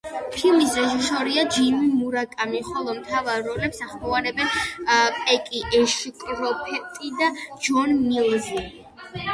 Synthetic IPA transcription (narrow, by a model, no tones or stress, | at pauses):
pʰilˠmisɾɛʒisɔɾiad͡ʒimimuɾakʼamiχɔlˠɔmt̪ʰavaɾːɔlɛpsaχmɔvaɾɛbɛnpʼɛkʼiʔɛʃkʼɾɔpʰɛt̪ʼid̪ad͡ʒɔnmilˠzi